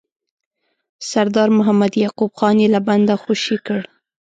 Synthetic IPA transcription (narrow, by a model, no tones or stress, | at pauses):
saɾd̪ɑɾmʊɦamad̪jɑqubxɑnjelaband̪axoʃikəɽ